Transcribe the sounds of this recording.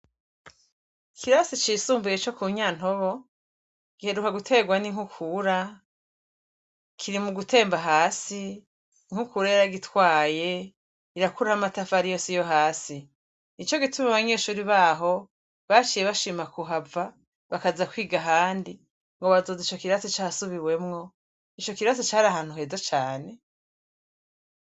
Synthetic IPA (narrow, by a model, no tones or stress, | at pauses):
kʰiɾasit͡ʃisuːmbuje̞t͡ʃo̞kuːɲaːn̥ɦo̞βo̞ | ɡ̥ihe̞ɾukaɡutʰe̞ːɡwaniŋhukʰuɾa | kʰiɾimuɡutʰe̞ːmbaɦaːsi | ŋ̥ukuɾajaɾaɡitʰwaːje̞ | iɾakuɾahamatafaɾijo̞sijo̞ɦaːsi | nit͡ʃo̞ɡitumaβaɲe̞ːʃuːɾiβaːɦo̞ | βat͡ʃije̞βaʃimakuɦava | βakazakwiːɡaɦaːndi | ŋɡo̞βazo̞zit͡ʃo̞kiɾatot͡ʃasuβiwe̞mŋo̞ | it͡ʃo̞kiɾatot͡ʃaːɾaɦaːn̥huɦe̞ːzat͡ʃaːne̞